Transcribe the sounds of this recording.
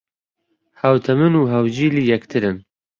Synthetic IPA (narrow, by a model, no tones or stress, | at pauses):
hɐwt̪ʰɐmɨnuːɦɐwd͡ʒiːliːjɛkt̪ʰɨɾɨn